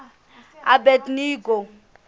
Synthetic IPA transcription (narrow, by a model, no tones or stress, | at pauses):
abɛtniːɡo